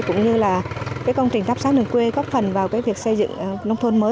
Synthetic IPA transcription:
kʊ̰˧˥ŋ͡mɲɨ˧laː˨˩kaː˨˦jkə˧wŋ͡mt͡ɕï˨˩ŋ̟t̪aː˦˥p̚saː˨˦nɨ̰˧˩kwe˧ɣɔ˦˥p̚fə˨˩nvaː˨˩wkaː˨˦jvi˨˩ək̚sə˧jzɨ̰˧˨ŋ˨nə˧wŋ͡mt̪ʰo˧nməː˨˦

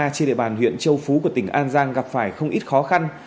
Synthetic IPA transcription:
a˧t͡ɕe˧nɗḭ˧˨ɓaː˨˩nɦwḭ˧˨ənt͡ɕə˧wfu˨˦ku˧˩ət̪ï˧˩ŋ̟ʔaː˧nzaː˧ŋɣa˨˩p̚faː˧˩jxə˧wŋ͡mʔi˦˥t̚xɔ˨˦xa˧n

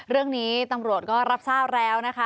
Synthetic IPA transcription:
ɾɯ˥˩əŋniː˦˥t̪a˧mɾu˨˩ə˩t̪̚kɔː˥˩ɾa˦˥p̚saː˥˩p̚ɾɛː˦˥wna˦˥kʰa˦˥

